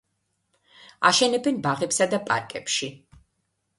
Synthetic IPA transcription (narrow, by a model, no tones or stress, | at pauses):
aʃɛnɛbɛnbaʁɛpsad̪apʼa̰ɾkʼɛpʃi